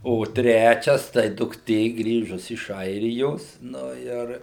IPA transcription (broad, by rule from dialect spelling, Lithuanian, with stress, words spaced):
oː ˈtʲrʲæːt͡ʃʲɛs tɐɪ dʊkˈtʲeː ˈɡrʲiːʒʊs ɪʃ ˈɐɪrʲɪjoːs ˈnʊ ɪr